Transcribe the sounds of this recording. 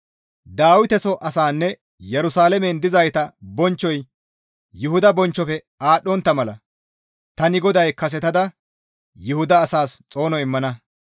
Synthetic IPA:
d̪aːwɪt̪ɛsɔʔɐsaːnːɛ | jɛɾʊsaːlɛmɛnd̪ɪzɐjt̪ɐbɔnt͡ʃːɔj | jʊhʊd̪ɐbɔnt͡ʃːɔfɛ | aːɗːɔnt̪ːɐmɐlɐ | t̪ɐnɪɡɔd̪ɐjkɐs̬ɛt̪ɐd̪ɐ | jʊhʊd̪ɐːsaːst͡sʼo̞ːnɔɪmːɐnɐ

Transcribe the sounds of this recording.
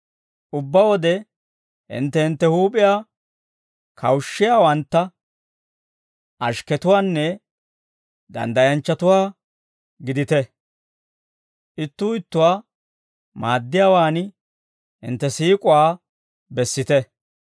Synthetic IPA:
ʔʊbːɐwɔd̪ɛ | hɪ̰nt̪ːɛhɪnt̪ːɛhuːpʼɪjaː | kʰɐwʃːɪjaːwɐnt̪ːɐ | ʔɐʃkɛt̪ʊwaːnːɛ | d̪ɐ̰nd̪ɐjɐnt͡ʃːɐt̪ʊwaː | ɡɪd̪ɪt̪ɛ | ʔɪt̪ːuːɪt̪ːʊwaː | maːd̪ːɪjaːwaːn | hɪ̰nt̪ːɛsiːkʼʊwaː | bɛsːɪt̪ɛ

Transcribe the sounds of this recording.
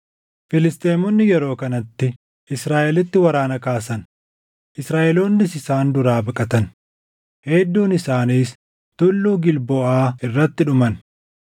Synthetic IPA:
fɪlɪst̪ʼeːmɔnːɪjɛɾo̞ːkɐnɐt̪ːɪ | ʔɪsɾaːʔɛlɪt̪ːɪwɐɾaːnɐkaːs̬ɐn | ʔɪsɾaːʔɛloːnːɪsɪsaːnd̪ʊɾaːbɐkʼɐt̪ɐn | hɛd̪ːuːnɪsaːniːs | t̪ʊlːuːɡɪlbɔaːɪrːɐt̪ːɪᶑʊmɐn

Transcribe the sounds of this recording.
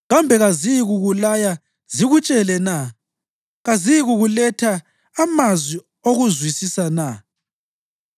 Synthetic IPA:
ɣambʱɛɣaziɣuɣulaja | ziɣut͡ʃʼɛlɛna | ɣaziɣuɣulɛtʰaː | mazwi | oɣuzwisisana

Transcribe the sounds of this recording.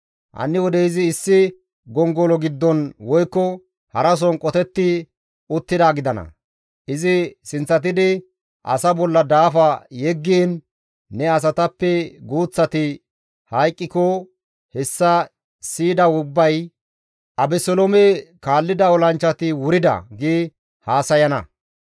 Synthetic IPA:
ʔɐ̰nːɪwɔd̪ɛɪzɪːsːɪ | ɡɔŋɡɔlɔɡɪd̪ːɔnwɔjkːɔ | hɐɾɐs̬ɔnkʼɔt̪ɛt̪ːɪ | ʊt̪ːɪd̪aːɡɪd̪ɐnɐ̰ | ʔɪzɪsɪnt͡sːɐt̪ɪd̪ɪ | ʔɐ̰sɐbɔlːɐd̪aːfɐjɛɡːiːnː | ɛɐs̬ɐt̪ɐpːɛɡuːt͡sːɐt̪ɪ | hɐjkʼːɪkɔ | hɛsːɐ | siːd̪ɐʊbːɐj | ʔɐbɛsɔlɔmekaːlːɪd̪ɐɔlɐnt͡ʃːɐt̪ɪwʊɾɪd̪ɐ̰ɡiː | haːsɐjɐnɐ̰

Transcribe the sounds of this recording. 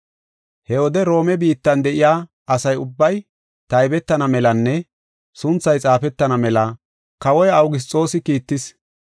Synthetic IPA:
hɛwɔd̪ɛɾo̞ːmɛbiːt̪ːɐnd̪ɛʔɪjaː | ʔɐsɐjʊbːɐj | t̪ɐjbɛt̪ːɐnɐmɛlɐnːɛ | sʊnt͡sːɐjt͡sʼaːfɛt̪ːɐnɐmɛlɐ | kɐwɔjɐwɡɪs̬t͡sʼo̞ːsɪkiːt̪ːɪs

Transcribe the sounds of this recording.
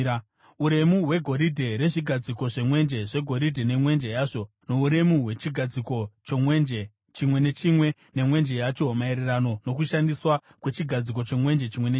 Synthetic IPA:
uɾe̞muɦwe̞ɡʱo̞ɾidʱe̞ɾe̞ʐiɡʱad͡ziko̞ʐe̞mwe̞nd͡ʒe̞ʐe̞ɡʱo̞ɾidʱene̞mwe̞nd͡ʒe̞jaːʐo̞ | no̞uɾe̞muwe̞t͡ʃiɡʱad͡ziko̞t͡ʃomwend͡ʒe | t͡ʃimwe̞ne̞t͡ʃimwe̞ | ne̞mwe̞nd͡ʒe̞jat͡ʃo̞maeɾerano̞no̞kuʃandiswa | kwe̞t͡ʃiɡʱad͡zik̬o̞t͡ʃe̞mwe̞nd͡ʒe̞t͡ʃimwene

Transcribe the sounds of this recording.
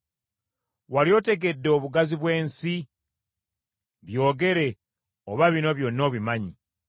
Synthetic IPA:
walijo̞te̞ɡe̞dːeo̞βuɡaziβwe̞ːnsi | βjo̞ːɡe̞ɾe̞ | oβaβino̞βjonio̞ːβimaɲi

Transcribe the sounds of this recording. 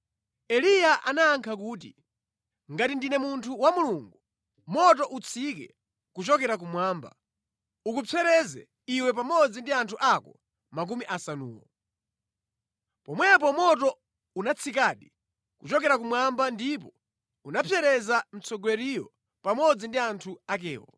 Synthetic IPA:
ɛlijaʔa̰naːŋkʰakuːt̬ḭ | ŋɡatindinɛmuntʰuwamuluŋɡu | mɔtɔʔut͡sʰikɛ̰ | kut͡ʃɔkɛɾak̬umwaːmba̰ | ukupʰɛɾɛzɛ̰ | iwɛp̬amɔd͡zindiantʰuʔakɔ | mak̬umiʔasanṵːwɔ̰ | pɔmwɛp̬ɔmɔtɔ | unat͡sʰikaɗi | kut͡ʃɔkɛɾak̬umwambandip̬ɔ | unapʰjɛɾɛzam̩t͡sɔɡwɛɾijɔ | pamɔd͡zindiantʰuak̬ɛ̰ːwɔ̰

